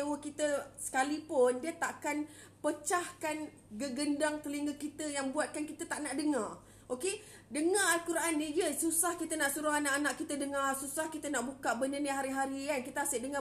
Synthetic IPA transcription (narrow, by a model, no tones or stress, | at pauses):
əwəkit̪əsə̥kalipʊndiət̪aʔakan | pət͡ʃahkan | ɡəɡəndaŋt̪əliŋɡəkːit̪əjaŋbuat̪̚kankit̪ət̪aʔnaʔdəŋar | ʔoke | dəŋaalkuɾʔanːĩjəsusahkit̪ənaʔsuɾaanaʔanaʔkit̪ədəŋarsusahkit̪ənaʔbukaʔbənənəɦaɾiɦaɾiankit̪əaseʔdəŋa